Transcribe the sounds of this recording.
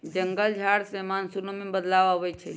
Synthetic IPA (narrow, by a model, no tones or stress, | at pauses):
d͡ʒəŋɡəld͡ʒʱaɽsemansunomebəd̪lababɛt͡ʃʰɛ